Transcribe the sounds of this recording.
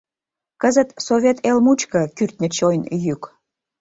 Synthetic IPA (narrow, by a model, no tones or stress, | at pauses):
kəzət̪sovʲet̪elmut͡ɕkə̆kyrt̪̚ʲnʲə̆t͡ɕojnjyk